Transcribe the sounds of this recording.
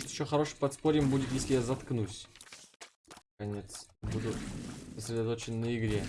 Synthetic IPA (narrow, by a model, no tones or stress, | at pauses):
t̪ɪɕːoxɐɾo̞ʂɨpɐt̪spo̞ɾʲɪmbudʲɪt̪jesʲlʲɪjazɐt̪knusʲ | kɐnʲe̞t̪sbud̪ʊsəsʲɾʲɪd̪ɐt̪o̞t͡ɕɪnnəɪɡɾʲe